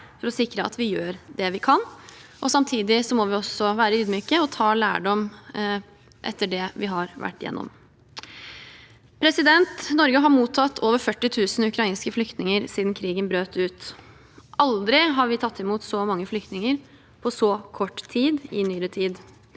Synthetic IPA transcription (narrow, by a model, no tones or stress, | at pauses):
fɔɾɔsɪkɾəɑ̰t̪ʰʋɪjøːɾd̪ɛʋɪkʰɑnʔɔsɑmt̪ʰiːd̪ɪsɔmɔʋɪɔsɔʋæːɾəʉːd̪myːkəɔt̪ʰɑːlæːɖɔm | ʔɛ̰t̪ːəɖɛʋɪɦɑɾʋæ̰ʈːjɛ̰nːɔ̰m | pʰɾɛsɪd̪ɛnt̪nɔɾɡəɦɑɾmuːt̪ʰːɑt̪ʰːoːʋəɾfœʈːɪt̪ʰʉːsn̩ʉkʰɾɑiːnskəflʏkt̪nɪŋəɾsiːd̪n̩kʰɾiːɡənbɾøːt̪ʉːt̪ | ʔɑld̪ɾɪɦɑɾʋɪt̪ʰɑt̪ʰːɛmuːt̪sɔmɑŋːəflʏkt̪nɪŋəɾ | pʰɔsɔkʰɔʈːt̪ʰiːd̪ɪnyːɾət̪ʰiːd̪